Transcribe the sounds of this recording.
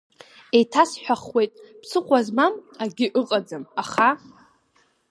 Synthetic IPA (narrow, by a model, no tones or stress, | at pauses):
e̞jtʰasħʷᶣaχwe̞jtʼpsɨχʷazmamaɡʲɪʔɨqʼad͡zɨmaχa